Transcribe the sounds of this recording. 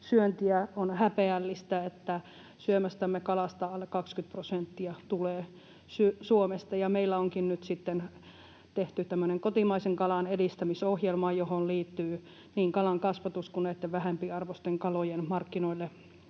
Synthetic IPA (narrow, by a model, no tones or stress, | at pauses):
syønt̪iæonhæpeælːist̪æet̪ːæ | syømæst̪æmːekɑlɑst̪ɑɑlːekɑkskyt̪̚prosent̪ːiɑt̪uleː | sysuomest̪ɑjɑmeilːæoŋkinnyt̪sit̪ːen | t̪eht̪yt̪æmːøneŋkot̪imɑiseŋkɑlɑnedist̪æmisohjelmɑːjohonliːt̪ːyː | niːŋkɑlɑŋkɑsʋɑt̪uskuneit̪ːeʋʋæhempiːɑrʋost̪eŋkɑlojenmɑrkːinoilːe